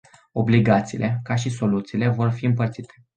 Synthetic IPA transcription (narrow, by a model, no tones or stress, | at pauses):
o̞bliɡat̪sḭːlʔekaʃiso̞lut̪siːle̞vo̞rfiɨmpərt̪sit̪ʰe̞̥